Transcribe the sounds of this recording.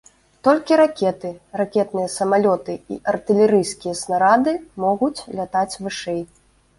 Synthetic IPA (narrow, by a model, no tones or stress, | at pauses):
t̪ɔlʲkʲiɾakʲɛt̪ɨrakʲɛt̪̚nɨjɐsɐmalʲɔt̪ɨḭʔɐrt̪ɨlʲɛɾɨjskʲijɐsnaɾad̪ɨmɔɣut͡sʲlʲat̪at͡sʲvɨʂɛj